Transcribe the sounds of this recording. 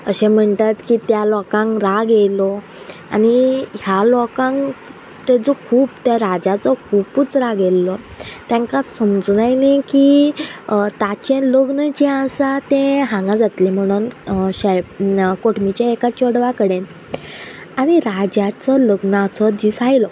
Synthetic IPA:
əɕẽm̤əɳt̪at̪kit̪jalɔkãŋɾaɡelɔ | a̰niɦjalɔkãŋ | t̪ed͡zɔkʰuːpt̪jaɾad͡ʑat͡sɔkʰuːput͡sɾaɡelːɔ | t̪jãŋkasəmd͡zunajneki | t̪at͡ɕɛ̃ləɡnəd͡ʑɛ̃asat̪ẽɦãŋɡad͡zat̪lem̤əɽ̃uːnɕakoʈmit͡ɕaekat͡ɕɔɽʋakəɽen | aɽ̃iɾad͡ʑat͡sɔləɡnt͡sɔd͡ʑisajlɔ

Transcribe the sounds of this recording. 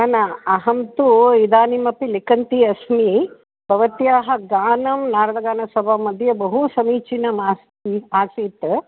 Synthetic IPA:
ɐnɐɐɦɐmt̪uid̪aːnimɐpilikɐnt̪iɐsmi | bʱɐʋɐt̪jaːɦɐɡaːnɐmnaːɾɐd̪ɐɡaːnɐsɐbʱamɐd̪ʱjɐbɐɦusɐmiːt͡ʃinɐmaːs | iaːsiːt̪

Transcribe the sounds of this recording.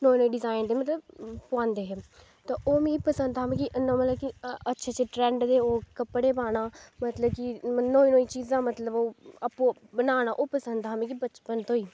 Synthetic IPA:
noːĩːnõːĩːɖɪzaːɪnd̪eːmət̪ləbpʊãnd̪eːɦɛː | t̪ãːʔoːmĩːkːpəsənd̪aːmẽːkiʔənõːmət̪ləb̚kiətːʃʰaːt͡ʃeːʈɾɛ̃ːɳɖd̪eːoːkəpːɽeːpaːnãːmət̪ləbkinoːiːnõːiːt͡ʃiːzãːmət̪ləboːapːõːbənaːnãːʔoːpəsənd̪ɦaːmĩːk̬ibət͡ʃpənt̪oːiː

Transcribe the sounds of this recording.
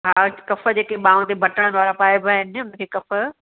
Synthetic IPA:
ɦaːkɐfə̆d͡ʑeːkeɓãːʊ̃t̪ebʱɐʈəɽ̃nʋaːɾapaːebʱaɦɪnɪʊñkʰekɐfə̆

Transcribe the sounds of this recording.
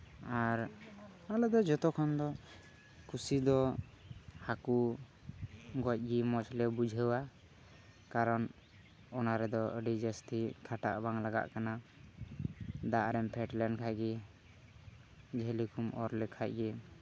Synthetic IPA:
aɾalɔd̪ɔd͡ʒɔt̪ɔkʰɔnd̪ɔ | kusid̪ɔ | haku | ɡɔc̚ˀɡimɔt͡ʃlɛbud͡ʒʱəwa | kaɾɔn | ɔnaɾɛd̪ɔəɖid͡ʒəsʈikʰaʈa̰ʔbaŋlaɡa̰ʔkana | d̪aʔɾɛmpʰɛʈlɛɳɖkʰacɡɛ | d͡ʒɛɦlikumɔɾlɛkʰac̚ɡɛ

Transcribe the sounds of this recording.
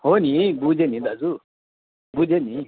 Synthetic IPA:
honibud͡ʒenĩd̪ad͡zu | bud͡ʒeni

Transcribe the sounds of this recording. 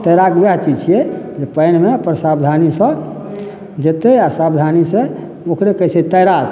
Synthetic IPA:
t̪əjɾaɡbjaɦt͡ʃid͡ʒt͡ʃʰijɛd͡ʒepəjnmeəpənsabd̪ʱanisə̃ | d͡ʒet̪easabd̪ʱanisẽ | okɾekət͡ʃʰet̪əjɾaɾ

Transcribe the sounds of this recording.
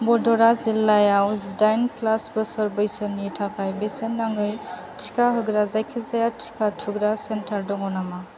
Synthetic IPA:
bɔdɔɾazilːajawzdajnplasbɯsɔɾbɯjsɯnːitʰakʰajbesenːaŋɡɯj | tʰi̥kʰaɦɯɡɾazajkʰizajatʰi̥kʰatʰuɡɾasentʰaɾdɔŋɔnama

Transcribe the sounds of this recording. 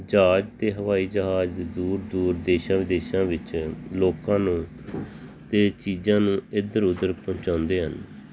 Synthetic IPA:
d͡ʒaːd͡ʒt̪eːɦəʋaːiːd͡ʒəɦaːd͡ʒ̪ed̪uːɾd̪uːɾd̪eːʃãːʋɪd̪eːʃãːʋɪt͡ʃloːkãːnũː | t̪eːt͡ʃiːzãːnũːɪd̪əɾʊd̪əɾpɔ̃ːnt͡ʃãːnd̪eːɦən

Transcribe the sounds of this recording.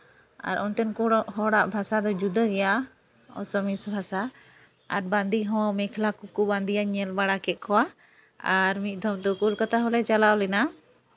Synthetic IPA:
a̰ɾʔɔnʈɛnkɔɦɔɽaʔbʱasad̪ɔd͡ʒud̪əɡɛja | ɔ̰sɔmisbʱasa | a̰ɾbãnd̪iɦɔ̃mɛkʰlakukubãnd̪ijaɲɛlbaɽakɛt̪̚ˀkʰɔwa | aɾmit̪̚ˀd̪ʱɔmd̪ɔkulkat̪aɦɔlɛt͡ʃalawlɛna

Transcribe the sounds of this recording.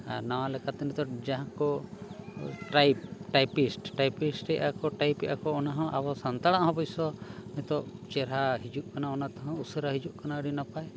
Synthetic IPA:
a̰ɾnawalɛkat̪init̪ɔd͡ʒaɦãkɔ | ʈajpʈajpisʈʈajpisʈɛjʔakɔʈajpɛʔa̰kɔːnaɦɔ̃ʔabɔsant̪aɽaʔɦɔ̃bɔjsɔmit̪ɔt͡ʃɛɾaɦid͡ʒuʔkanaɔnat̪ɔɦɔ̃usɔɾaɦid͡ʒuʔkanaɽinapaj

